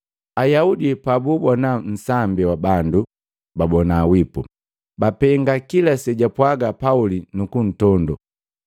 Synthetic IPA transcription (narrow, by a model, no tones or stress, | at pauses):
ajaudipabubɔnan̩sambiwabandu | babɔnaːwipu | bapɛŋɡakilasɛɟapwaɡapaulinukun̩tɔndɔ